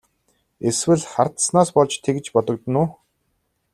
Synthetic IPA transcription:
eswɘ̆ɮχart̪snaːspɔɮt͡ɕt̪ʰekɘ̆t͡ɕpɔt̪ɞ̆k̚t̪ə̆nʊː

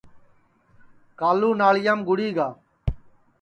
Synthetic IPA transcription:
kaːluːnaːɭɪjaːmɡʊɽiːɡaː

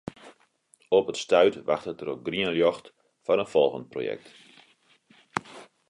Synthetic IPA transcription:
ɔpətstœɥtʋa̰xtətəɾoɡriənljɔxt | fɔnənfɔlˠɣə̰nt̚pro̰jɛ̰k̚t

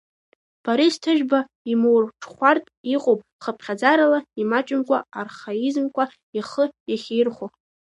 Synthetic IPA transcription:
b̥aɾistʰɨʒᶣba | imowrʈ͡ʂʰχʷartʼiqʼopʼ | χəpʰχʲad͡zaɾalaimat͡ʃʼɪmkʷʰʼaarχaizmkʷʰa | iχəjaχʲerχo

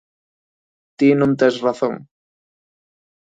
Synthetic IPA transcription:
t̪inũnt̪esraθoŋ

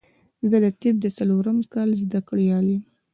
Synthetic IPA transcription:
zəd̪ət̪ib̚d̪əsaloɾəmkɑlzd̪akɽijɑlim

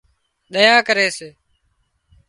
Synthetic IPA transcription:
ɗ̪əjaːkəɾeːseː

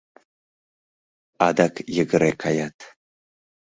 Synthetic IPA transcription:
adakʰjɪɡɨɾejkʰajatʰ

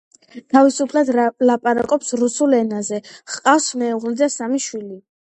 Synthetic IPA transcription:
t̪ʰavisupʰlad̪lapʼaɾa̰kʼɔpsɾusulɛnazɛχqʼafsmɛːʁlid̪asamiʃwili

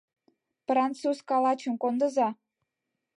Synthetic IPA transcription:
prɑnt͡suskɑlɑt͡ɕəmkond̪ə̆zɑ

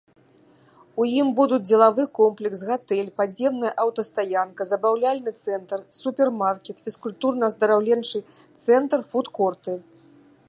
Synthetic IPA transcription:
ujimbud̪ud͡zʲd͡zʲɛlˠavɨkɔmplʲɛksɣat̪ɛlʲpad͡zʲjɛmnɐjɐʔɐwt̪ɐst̪ajankɐzɐbawlʲalʲnɨt̪sɛnt̪rsupʲɛrmarkʲɛt̪fʲiskulʲt̪urnɐzd̪ɐɾawlʲɛnt͡ʂɨ | t̪sɛnt̪rfut̪kɔrt̪ɨ

